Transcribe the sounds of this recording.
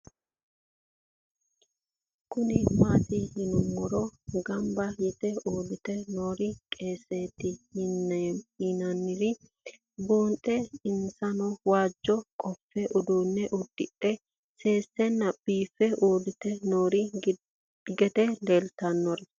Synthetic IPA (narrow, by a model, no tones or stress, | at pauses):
kʊnɪmaːt̪ɪhɪnʊmːɔɾɔɡɐmbɐjɛt̪ɛoːd̪ɪt̪ɛnoːɾɪkʼeːseːt̪ːɪhninɐnːɪɾɪ | buːnt̪ʼɛɪnsɐnɔwaːd͡ʒːɔkʼɔfːɛʔʊd̪uːnːɛʔʊd̪̥ːɪ̰ᶑɛ | se̞ːsːɛnːɐb̥iːfɛoːd̪ɪt̪ɛnoːɾɪ | ɡɛt̪ɛleːlt̪ɐnːɔɾɛ